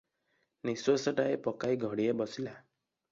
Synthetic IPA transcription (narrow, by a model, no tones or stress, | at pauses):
niswesɔʈaepɔkajɡʱɔɽiebɔsila